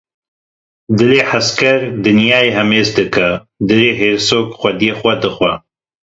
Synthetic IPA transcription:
d̪ɨleːħaskɐɾd̪ɨnjaːeːɦɛmeːzd̪ɨkɐ | d̪ɨɾeːɦeːɾsoːkxʷɐd̪ijeːxʷɐd̪ɨxʷɐ

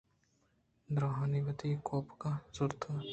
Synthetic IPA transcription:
d̪ɾoːɦaːniʋət̪ikoːpkasʊɾt̪ʰː

